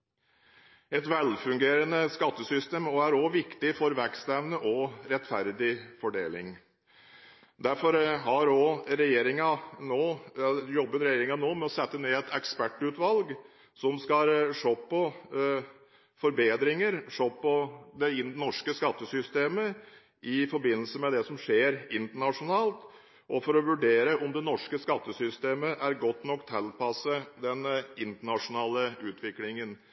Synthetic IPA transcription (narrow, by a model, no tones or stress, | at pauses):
ɛt̪ʋɛlfʉŋɡeːɾənəskɑt̪ːəsʏst̪eːmɔæɾoʋɪkt̪ɪfɔɾʋæɾkst̪ɛʋnəʔɔɾɛt̪fæɾd̪ɪfɔɖḛːlɪ̰ŋ | d̪æɾfɔɾɦɑɾoːɾɛjeːɾɪŋɑnoːjɔbːənɾɛjeːɾɪŋɑnoːmɛɔsɛt̪ːəneːɛt̪ʰɛkspæʈʉːt̪ʋɑlɡ | sɔmskɑʂoːpːɔ | fɔɾbeːd̪ɾɪŋəɾʂoːpːɔd̪ɛɪnɔʂkəskɑt̪ːəsʏst̪eːmə | ʔɪfɔɾbɪnːəlsəmɛd̪ɛsɔmʂeːɾɪnt̪əɳɑʂʊnɑːlt̪ | ʔɔfɔɾɔʋʉɖeːɾəʔɔmd̪ɛnɔʂkəskɑt̪ːəsʏst̪eːməʔæɾɡɔt̪ːnɔkːt̪ʰːɛlpɑsəd̪ɛnɪnt̪əɳɑʂʊnɑːləʉːt̪ʰʋɪklɪŋən